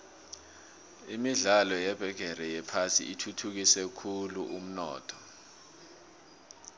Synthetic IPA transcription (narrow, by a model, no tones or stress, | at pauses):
imiɮalɔjɛb̥ʱɛɡ̥ʱɛrɛjɛpʰasḭʔitʰutʰuk̬isɛkʰuluʔum̩nɔ̰ːtʰɔ̥